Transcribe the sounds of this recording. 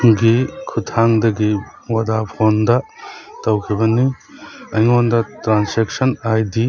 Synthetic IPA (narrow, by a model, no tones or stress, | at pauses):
ɡikʰutʰaŋdɐɡiwɐdapʰondɐtɐwkʰibɐni | ɐjŋondɐtɾansek̚sɐnajdi